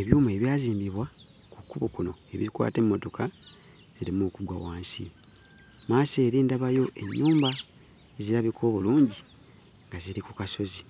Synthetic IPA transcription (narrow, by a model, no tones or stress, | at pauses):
eβjuːme̞βjaːziːmbiβwa | kukːuβukuno̞̰e̞̰βḭkwa̰ːte̞mːo̞to̞ka | z̥iɾimukubwa̰waːnsḭ | maːse̞ːɾiːndaβajo̞ʔe̞ɲːuːmba | eziɾaβikoβuluːɲɟi | ŋɡaziɾikukaso̞zi